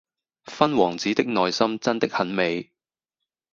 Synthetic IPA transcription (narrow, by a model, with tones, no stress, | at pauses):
fɐ˥nwɔː˨˩ŋt͡siː˨˥t̪ɪ˥k̚nɔː˨˧jsɐ˥mt͡sɐ˥nt̪ɪ˥k̚hɐ˨˥nme˨˧j